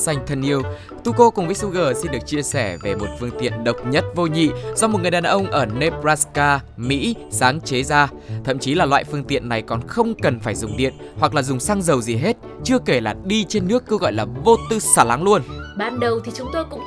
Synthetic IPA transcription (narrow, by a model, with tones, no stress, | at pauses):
sa˧jŋ̟t̪ʰə˨˩nʔi˧əw | t̪u˧ko˧kʊ˨˩ŋ͡mvəː˨˦su˧ɣəː˨˩si˧nɗɨ˨˩ək̚t͡ɕi˧əsɛ˧˩ve˨˩mo˨˩t̚fɨ˧əŋt̪ḭ˧˨ənɗə˨˩wk͡p̚ɲə˦˥t̚vo˧ɲḭ˧˨zɔ˧m˨˩t̚ŋɨ˨˩ɗaː˨˩nʔə˧wŋ͡mʔəː˧˩ne˧plaː˧skaː˧mḭ˧˥saː˨˦ŋt͡ɕe˨˦zaː˧ | t̪ʰə̰˧˨mt͡ɕi˨˦laː˨˩lwa̰ː˧˨jfɨ˧əŋt̪ḭ˧˨ənːa˨˩jkɔ˨˩nxə˧wŋ͡mkə˨˩nfaː˧˩jzʊ˨˩ŋ͡mɗḭ˧˨ənhwa˨˩k̚laː˨˩zʊ˨˩ŋ͡msaː˧ŋzə˨˩wzi˨˩ɦe˦˥t̚ | t͡ɕɨ˧əke˧˩laː˨˩ɗi˧t͡ɕe˧nːɨ˦˥əkːə˧wɣɔ̰˧˨jlaː˨˩vo˧t̪ɨ˧saː˧˩la˨˦ŋlu˧ənɓaː˧nɗə˨˩wt̪ʰi˨˩t͡ɕʊ˨˦ŋ͡mt̪o˧jkʊ̰˧˥ŋ͡m